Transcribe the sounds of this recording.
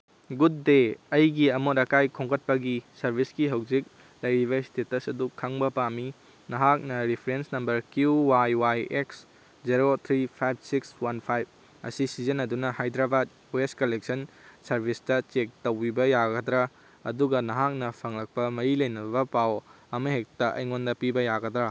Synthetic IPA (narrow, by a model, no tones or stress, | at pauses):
ɡud̚ːeɐjɡiɐmoɾɐkajkʰoŋkʰɐt̚pɐɡisɐɾbʱisɡiɦɐwd͡ʒik̚ | lɐjɾiβɐstetɐsɐdukʰaŋbɐpami | nɐɦak̚nɐɾipʰɾensnɐmbɐɾkjuwajwajeks | d͡ʒiɾot̪ʰɾipʰajb̚ʰsikswanpʰajb̚ | ɐ̰sisizɐnɐdunɐhajd̪ɾabat̚ | ueskɐlek̚sɐnsɐɾbʱistɐt͡ʃek̚towbibɐjaɡɐd̪ɾa | ɐ̰duɡɐnɐɦak̚nɐpʰɐŋlɐk̚pɐmɐɾilɐjnɐbɐpaw | ɐmɐɦek̚tɐʔɐ̰jŋondɐpibɐjaɡɐd̪ɾa